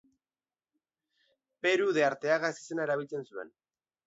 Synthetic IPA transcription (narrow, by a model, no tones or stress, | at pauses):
pe̞ɾuðe̞aɾt̪e̞aɣaesi̥se̞naeɾaβ̞ilt͡se̞nsue̞̰n